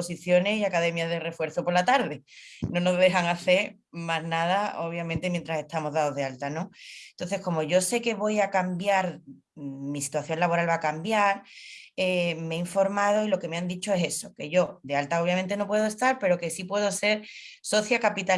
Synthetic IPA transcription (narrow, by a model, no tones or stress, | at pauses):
osiθjo̞ne̞siakaðe̞mjazðe̞re̞fwe̞ɾθo̞po̞ɾlat̪aɾðe̞nõ̞no̞zðe̞xaŋaθe̞ɾ | maznaðao̞β̞jamẽnt̪e̞mjent̪ɾase̞st̪amo̞zðaðo̞zðealt̪ano̞nt̪o̞nθe̞hko̞mo̞ʝo̞se̞ke̞βo̞jakambjaɾ | misi̥t̪waθjo̞ŋlaβo̞ɾalβakambjaɾemeiɱfo̞ɾmað̞o̞ilo̞ke̞meand̪it͡ʃo̞ese̞so̞ke̞ʝo̞d̪e̞alt̪ao̞β̞jament̪e̞no̞pwe̞ð̞oe̞st̪aɾpe̞ɾo̞ke̞sipwe̞ðo̞se̞ɾ | so̞θjakapit̪a